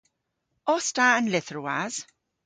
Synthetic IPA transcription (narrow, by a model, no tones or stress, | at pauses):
ɔstaənlɪθɹua̰z̥